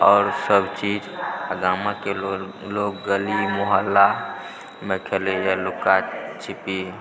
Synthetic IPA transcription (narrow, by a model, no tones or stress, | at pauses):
ɔːɾsəbt͡ʃiːd͡ʒəɡaːmãke | loːɡ̚ːəlimoɦəlːa | mekʰelejalʊkat͡ʃʰɪpi